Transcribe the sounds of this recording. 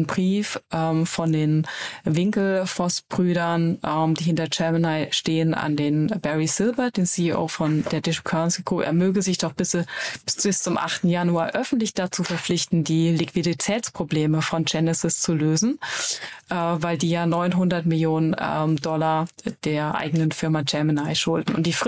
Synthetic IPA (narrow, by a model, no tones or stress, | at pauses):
nbʁiːfʔɛfɔndeːnvɪŋkl̩fɔst̚b̥ʁyːɾɐnʔɛːmd̥iːhɪntɐt͡ʃɛɐmənaɪʃteːənʔa̰ndeːnbɛʁisɪlbɐd̥eːnsiiʔo̰ːfɔnd̥eːɐdɪʃkʰɔnsiɡ̥ʁʊpʔɛ̰ːɐmøːɡəzɪçd̥ɔχb̥ɪsb̥ɪst͡sʊmʔa̰χtn̩januaːɐʔœfn̩tlɪçd̥at͡suːfɛɐp͡flɪçtn̩diːlɪkv̥iditʰɛːt͡spʁ̥obleːməfɔnd͡ʒɛnɪsɪst͡suløːzn̩ | ʔvaɪldiːjaːnɔʏnɦʊndɐtmɪljoːnənmdɔlad̥eːɐʔa̰ɪɡənənfɪɐmat͡ʃɛɐmənaɪʃʊldn̩ʊ̰nt̚d̥iːf